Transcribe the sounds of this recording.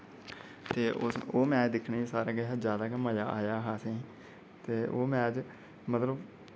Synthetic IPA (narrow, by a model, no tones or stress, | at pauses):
t̪eːʔʊ̰soːmɛ̃ːd͡ʒd̪ɪkʰneːsaːɾeːkeɦd͡ʒjaːd̪aːkeməjaːʔaːjaːɦaːsẽː | t̪eːʔoːmɛ̃ːd͡ʒ | mət̪ləb